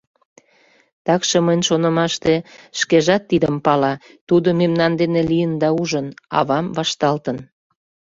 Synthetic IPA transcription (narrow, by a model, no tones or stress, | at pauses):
t̪ɑkʃeməjnʲʃonə̆mɑʃt̪eʃkeʒɑt̪ːid̪əmpɑlɑ | t̪ud̪omemnɑnd̪enelijənd̪ɑuʒənɑ̰βɑmvɑʃt̪ɑlt̪ən